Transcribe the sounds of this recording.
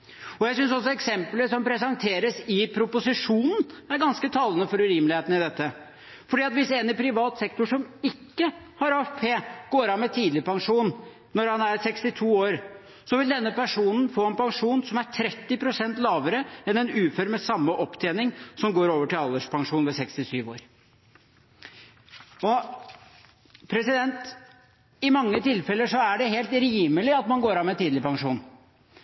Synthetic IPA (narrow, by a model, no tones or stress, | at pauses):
ɔjæɪsʏnsɔs̬ɔɛksɛmpləsɔmpʰɾɛs̬ɑŋt̪ʰeːɾəsɪpʰɾʊpʊsɪʂuːnn̩æɾɡɑnskət̪ʰɑlːənəfɔɾʉɾiːmlɪheːt̪n̩ɪd̪ɛt̪ːə | fɔɖiːɑt̪ʋɪseːnɪpʰɾɪʋɑːt̪sɛkt̪ʊʂɔmɪkːə | hɑɾɑːfpʰeːɡ̥oːɾɑmːɛt̪ʰiːd̪lɪpɑŋʂuːnː | ɔɾhɑnæɾsɛkst̪ɪt̪ʰuːoːɾ | sɔʋɪld̪ɛnːəpæʂuːnn̩foːɛnpɑŋʂuːnsɔmæɾʈʰɾɛt̪ːɪpʰɾʊsɛnt̪lɑːʋəɾəɛnɛnʉːfœɾmɛsɑmːəʔɔpːt̪ʰeːnɪŋsɔmɡoːɾoːʋəʈɪlɑlːəʂpʰɑŋʂuːnʋɛsɛkst̪ɪsyːʋo̰ːɾ | ɔ | pʰɾɛsɪd̪ɛnt̪ | ɪmɑŋːət̪ʰɪlfɛlːəʂɔæɖɛɦeːlt̪ɾjiːmːəlɪɑt̪mɑnɡoːɾɑnmɛt̪iːd̪lɪpɑŋʂuːn